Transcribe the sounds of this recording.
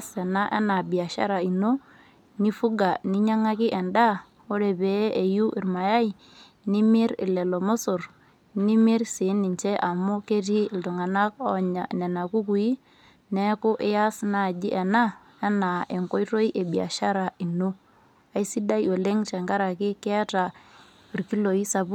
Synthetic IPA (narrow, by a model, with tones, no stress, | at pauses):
sɛ˨na˦ʔɛ̰˦na˨bi˨a˨ʃa̰˦ɾa˨i˨no˦ | ni˦fu˦ɡa˨ni˦ɲa˦ŋa˦kɪ˦ʔɛ˨nda˦ | ɔ˦ɾe˨bɛ˨˦e˨ju˦ʔi˨ɾma˨ja˦ji˨ | ni˦mɪ˦ɾɪ̰˨lɛ˨lɔ˨mɔ˦sʊ˨r | ni˦mɪ˦ɾsi˨˦ni˨ɲt͡ʃɛ˦ʔa˨mʊ˦ke˦ti˦˨ltʊ˨ŋa˨na˦k̚ɔ˦˨ɲa˨nɛ˨na˨ku˦ku˨i˦ | nɛ˦kʊ˦ʔɪ˦ja˦sna˦˨d͡ʒi˦ʔɛ˨na˦ | ɛ˦na˨ʔe˨ŋkɔ˦jto˦i˦ʔe˨bi˨a̰˨ʃa˦ɾa˨i˨no˦ | a˨˦i˦si˦da˦jo˨le˦ŋt͡ʃɛ˨ŋɡa˦ɾa˨kɪ˦kɛ˦a˦ta˨ | i˨rki˦lo˨i˦sa˨bu˦